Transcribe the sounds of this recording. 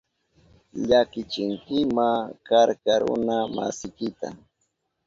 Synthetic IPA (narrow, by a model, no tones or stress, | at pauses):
ʎakɪt͡ʃɪŋkɪmakaɾkaɾʊ̰nama̰sɪkɪt̪a̰